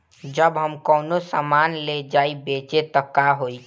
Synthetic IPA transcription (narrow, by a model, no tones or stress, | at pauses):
d͡ʒəbɦəmkɔːnosamaːnled͡ʒaːibeːt͡ʃet̪əkːaɦoːi